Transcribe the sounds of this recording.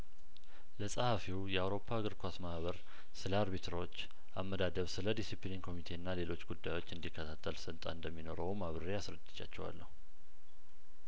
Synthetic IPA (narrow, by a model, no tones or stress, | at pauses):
ləsʼahafiwjɛawɾo̞pʰːaɡɨɾkʰʷasmahβəɾ | sɨləaɾbit̪ʰɾot͡ʃː | ʔamːəd̪ad̪əβsɨləd̪isiplininkʰo̞mit̪ʰe̞nːale̞lo̞t͡ʃːɡud̪ːajo̞t͡ʃːɨnd̪ikʰːət̪ʰat̪ʰːəlsənt̪ʼa̰ɨnd̪əmːino̞ɾəwmaβɾəɾeasɾəd̪ɨ̥t͡ʃːa̰t͡ʃːɛwa̰lːəhu